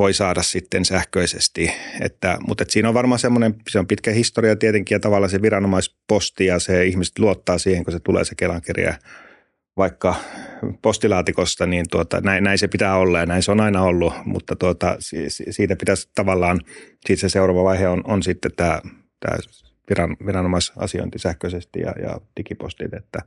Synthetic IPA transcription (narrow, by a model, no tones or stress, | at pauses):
ʋoisɑːdɑssit̪ːensæhkøisḛst̪iḛt̪ːæ̰mṵt̪et̪siːnoʋʋɑrmɑːsemːonemseompit̪kæhist̪oriɑt̪iet̪eŋkijɑt̪ɑʋɑlːˑɑːseʋirɑnomɑispost̪ijɑseihmise̥t̪luot̪ːɑːsiːheŋkoset̪ulḛːsekelɑŋkerḭɑ̰ | ʋɑikːɑpost̪ilɑːt̪ikost̪ɑniːnt̪uot̪ɑ̰næinnæinsepit̪æːolːɑjɑnæinseonɑinɑolːumṵt̪ːɑt̪uot̪ɑ̰sisisiːt̪æpit̪æst̪ɑʋɑlːɑːn | siːt̪seseuroʋɑʋɑiheononsit̪ːet̪æː | t̪æ̰ː | ʋirɑnʋirɑnomɑisɑ̰sio̰int̪isæhkøsest̪ḭjɑ̰jɑ̰t̪ikipo̰st̪ḭt̪ḛt̪ːæ